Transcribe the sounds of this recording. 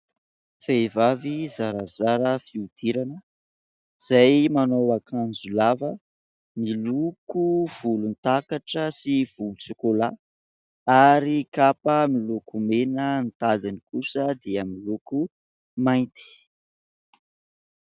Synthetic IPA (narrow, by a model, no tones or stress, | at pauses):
fejvavizaɾazaɾəfiud̪̥iɾanə | iz̥ajmanowakʰand͡zulavə | milukuv̥ulunt̪akaʈ͡ʂəsiv̥ulusikola | aɾikapəmilukumenənt̪ad̪inikusəd̪eamiluku | majnt̪i̥